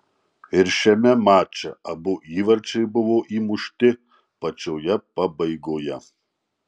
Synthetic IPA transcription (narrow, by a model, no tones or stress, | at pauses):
ɪɾʃʲɛmʲɛmaːt͡ʃʲɛɐbʊʔiːʋɐɾʲt͡ʃʲɛɪbʊʋoːʔiːmʊʃʲt̪ʲɪ | pɐt͡ʃʲoːjɛpɐbɐɪɡoːjɛ